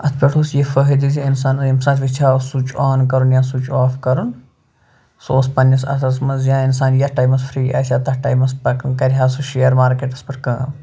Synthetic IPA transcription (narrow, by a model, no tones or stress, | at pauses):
ɐt̪ʰpʲeʈʰusjefəɦid̪iziinsaːnɐzimsaːnt͡ʃʰʋit͡ʃʰaːsut͡ʃaːnkɐɾunjãːsut͡ʃaːfkɐɾun | soːspɐnːɐsɐ̰sɐsmɐnzjãːinsaːnjɐhʈaːjmɐsfʰɾiːʔɐ̰ːsʲaːt̪ɐʈɐːjmɐspɐkkɐɾʲɦaːsuʃejɐɾmaːɾkeːʈɐspɐʈkɐ̃ːm